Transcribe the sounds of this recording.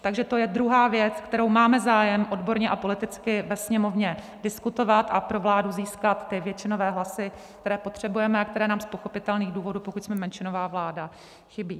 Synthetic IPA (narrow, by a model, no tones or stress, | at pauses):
t̪aɡʒɛt̪ojɛd̪ɾuɦaːvjɛt͡skt̪ɛɾo̞wmaːmɛzaːjɛmʔo̞dbo̞ɾɲɛʔapo̞lɪt̪ɪt͡skɪvɛsɲɛmo̞vɲɛ | dɪskut̪o̞vat̪ʔapɾo̞vlaːduziːskat̪ːɪvjɛt͡ʃɪno̞vɛːɦlasɪk̚t̪ɛɾɛːpo̞t̪r̝̥ɛbujɛmɛakt̪ɛɾɛːnaːmspo̞xo̞pɪt̪ɛlniːɣduːvo̞duːpokucʲsmɛmɛnt͡ʃɪno̞vaːvlaːda | xɪbiː